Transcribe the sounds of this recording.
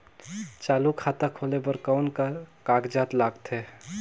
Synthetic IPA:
t͡ʃaːlukʰat̪akʰoːlebəɾkaʊnkkaːkd͡ʒaːt̪laːɡt̪e

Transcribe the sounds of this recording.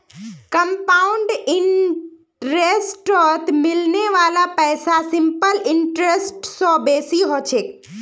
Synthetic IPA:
kɐmpaːʊɳɖɪn | ɾeːsʈɔt̪mɪlneʋaːlapɛːsasɪ̃mpəlɪɳʈɾesʈsɔːbeːsiɦoːt͡ɕʰeːk

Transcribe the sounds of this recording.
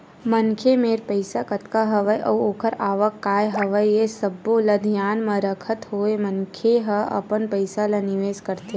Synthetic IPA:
mənkʰemeːɾpəɪsakət̪kaɦɐʋəjʔɐ̰ʋoːkəɾaːʋəkːaːjɦɐʋəjjesəbːolɐd̪ʱijaːnmɐ̃ɾəkʰət̪ɦoːemənkʰeɦəɐ̰pənpəɪsalɐnɪʋeːskəɾt̪e

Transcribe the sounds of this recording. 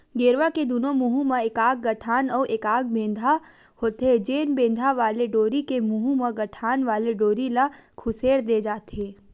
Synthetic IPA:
ɡeːɾʋaked̪uːnomʊɦumãeːkaːɡ̚ːɐʈʰaːnɔːʔeːkaːɡ̚bẽːnd̪ʱa | hoːt̪ed͡ʒeːnbẽːnd̪ʱaʋaːleɖoːɾikemuɦumãɡɐʈʰaːnʋaːleɖoːɾilakʰʊseːɾd̪eːd͡ʒaːt̪eː

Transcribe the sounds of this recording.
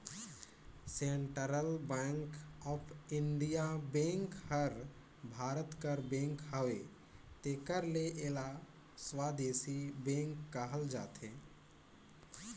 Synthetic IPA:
seɳʈəɾəlbɛŋkɔpʰɪɳɖijabẽŋkhəɾ | bʱaːɾət̪kəɾbẽŋkɦəʋe | t̪eːkəɾleʔela | swad̪eːsibẽŋkːəɦəld͡ʒa̰ːt̪ʰe

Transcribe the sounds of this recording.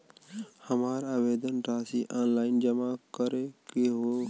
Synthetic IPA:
həmaːɾaːbeːd̪ənʈaːsiʔaːnlaːɪnd͡ʒəmakəɾekeɦo

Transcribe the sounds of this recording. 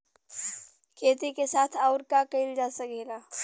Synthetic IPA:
kʰeːt̪ikesaːt̪ʰaʊɾkakɐɪld͡ʒaːsɐkeːɡaː

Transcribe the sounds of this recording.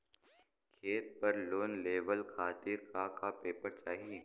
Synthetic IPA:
kʰeːt̪̚pɐɾloːnleːʋəlkʰaːt̪iːɾkakapeːpəɾt͡ʃaːɦie

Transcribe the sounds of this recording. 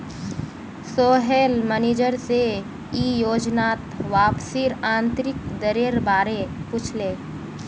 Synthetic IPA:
soːɦeːlmɛneːd͡ʒəɾse | iːjoːd͡ʒnaːt̪ʋaːpsiɾãːnt̪ɾɪkd̪əɾeɾbaːɾepʊt͡ʃʰleː

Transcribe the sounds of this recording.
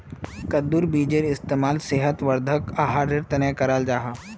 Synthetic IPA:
kɐd̪uɾbiːd͡ʒeɾɪst̪eːmaːlseːɦət̪ʋəɾd̪ʱəkaɦaːɖɪɾt̪ɐnekɐɾaːld͡ʒaːɦaː

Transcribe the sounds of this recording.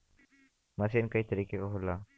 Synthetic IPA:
mɐsenkɐit̪ɐɾiːkekoɦʊla

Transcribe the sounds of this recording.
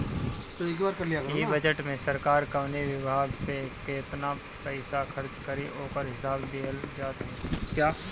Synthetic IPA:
t̪oeːkbaːɾkɐɾlijaɡəjibɐd͡ʒəʈmẽsɐɾkaːɾkɐʋneʋɪbʱaːɡpekeːt̪na | pɛɪsaxʰɐɾt͡ʃkɐɾiʔoːkəɾɦɪsaːbd̪eːld͡ʒaːd̪ɦɛ̃ːkjaː

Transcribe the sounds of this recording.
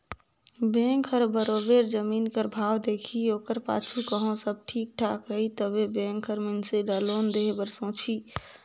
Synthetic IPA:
bẽŋkʰəɾbəɾobeɾd͡ʒəminkəɾbʱawd̪ekʰiokəɾpa̰t͡ʃʰukəɦõsəb̚ʈʰik̚ʈʰakɾəɦit̪əbebẽŋkʰəɾmənseɖəlond̪eɦebəɾsə̃t͡ʃʰi

